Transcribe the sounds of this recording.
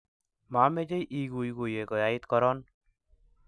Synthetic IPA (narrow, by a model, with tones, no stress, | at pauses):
ma˨˦me˦d͡ʒe˦jʔi˦ɡu˨jɡo˨je˨kɔ˨ja˨i˦t̪kɔ˦ɾɔ˦n